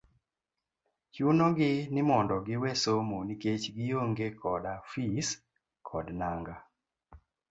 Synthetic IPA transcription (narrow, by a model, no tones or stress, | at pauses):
t͡ʃunɔɡɪnɪmɔndɔɡɪwesomoniket͡ʃɡɪjoŋɡekʰɔdafis | kʰɔdnaŋɡa